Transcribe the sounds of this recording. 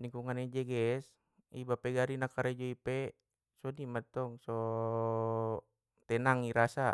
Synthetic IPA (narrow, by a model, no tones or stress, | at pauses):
niŋkuŋanɛd͡ʒɛɡɛs | ibapɛɡaɾinakaɾɛd͡ʒɔipɛ | sɔnimat̪ɔŋsɔ | t̪ɛnaŋiɾasa